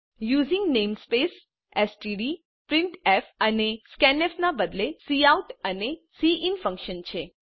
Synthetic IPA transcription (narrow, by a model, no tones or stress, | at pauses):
juzĩŋɡnemspes | esʈiɖi | pɾiɳʈɛfəneskɛnɛfnabəd̪lesiauʈənesiʔinfə̃ŋkʃənt͡ɕʰe